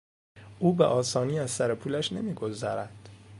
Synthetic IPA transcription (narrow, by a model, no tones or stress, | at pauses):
ʔuːbḛʔɒːsɒːniːæzsæɾe̞pʰuːlæʃne̞miːɡo̞zæɾæd̪̥